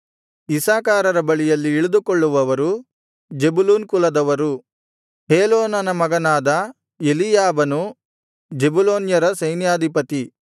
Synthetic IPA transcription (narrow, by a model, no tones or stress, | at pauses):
isaːkaːɾɐɾɐbɐɭijɐlːiːɭud̪ukoɭːuʋɐʋɐɾu | d͡ʒe̞buluːnkulɐd̪ɐʋɐɾu | ɦeːloːnɐnɐmɐɡɐnaːd̪ɐ | elijaːbɐnu | d͡ʒebuloːnjɐɾɐsɐjnjaːd̪ʱipɐt̪i